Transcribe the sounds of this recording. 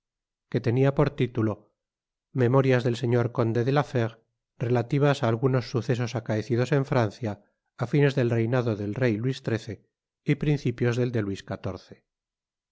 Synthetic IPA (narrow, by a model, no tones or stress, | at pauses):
ke̞t̪e̞niapo̞ɾt̪it̪ulo̞ | me̞mo̞ɾjazðe̞lse̞ɲo̞ɾko̞nd̪e̞ðelafeɣ | re̞lat̪iβ̞asaːlɣuno̞sːuθe̞s̬o̞sakaeθiðo̞se̞ɱfɾanθjaː | fine̞zðe̞lre̞jnaðoðe̞lre̞jlwist̪ɾe̞θe̞ | ipɾin̟θipjo̞zðe̞ld̪e̞lwiskat̪o̞ɾθe̥